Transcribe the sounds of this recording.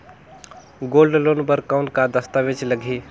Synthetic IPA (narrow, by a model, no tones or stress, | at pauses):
ɡoːlɖloːnbəɾkaʊnkad̪əst̪aʋet͡ʃləɡʱi